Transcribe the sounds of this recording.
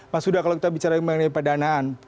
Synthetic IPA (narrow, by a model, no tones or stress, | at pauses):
masudakalowkit̪abit͡ʃaɾaimənajpədanaːn